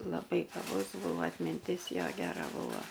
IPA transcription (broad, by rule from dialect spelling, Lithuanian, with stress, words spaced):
lˠɐˈbɐɪ ɡɐˈbʊs ˈbuːʋoː ɐtʲmʲɪnʲˈtʲɪs ˈjoː ɡʲɛˈrɐ ˈbuːʋɐ